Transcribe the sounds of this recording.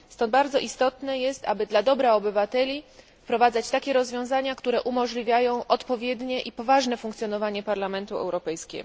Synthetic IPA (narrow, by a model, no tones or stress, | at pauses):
st̪ɔ̃nd̪̚baɾd̪zɔʔist̪ɔt̪nɛjɛst̪a̰bɘd̪lad̪ɔbɾaɔbɘvat̪ɛlʲi | pɾɔvad̪zat͡ɕt̪akʲɛɾɔzvʲjɔ̃w̃zaɲakt̪uɾɛʔumɔʐlʲivʲjajɔ̃w̃ʔɔt̪pɔvʲjɛd̪ɲɛʔipɔvaʐnɛfuŋkt̪sʲjɔnɔvaɲɛpaɾlamɛnt̪uɛ̰wɾɔpɛjskʲɛ̰ɡɔ